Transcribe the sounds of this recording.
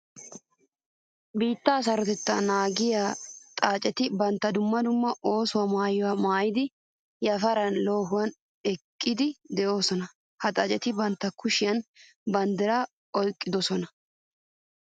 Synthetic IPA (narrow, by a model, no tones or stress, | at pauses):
biːt̪ːɐːs̬ɐɾɔt̪ɛt̪ːɐnaːɡɪjaːt̪ʼaːt͡ʃʼɛt̪ɪbɐnt̪ːɐd̪ʊmːɐd̪ʊmːɐʔo̞ːsʊwamaːjɔwamaːjɪd̪ɪ | jɐfɐɾɐnlo̞ːɦʊwɐn | ɛkʼːɪd̪ɪd̪ɛʔo̞ːsɔnɐ | hɐt̪ʼɐt͡ʃʼɛt̪ɪbɐnt̪ːɐkʰʊʃɪjɐn | bɐnd̪ɛɾa | ɔlkʼːɪd̪ɔsɔnɐ